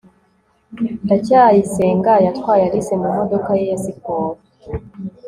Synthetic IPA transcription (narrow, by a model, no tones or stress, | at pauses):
ndacaːjiseːŋɡajatkwaːjaɾisemamo̞dokajejasikoːɾo